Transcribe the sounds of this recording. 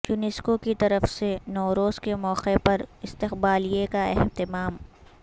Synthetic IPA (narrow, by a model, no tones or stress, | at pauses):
junɪskokit̪ɐɾəfsenɔːɾoːzkemɔːqepɐɾɪst̪ɪqbaːlijekaɛɦt̪ɪmaːm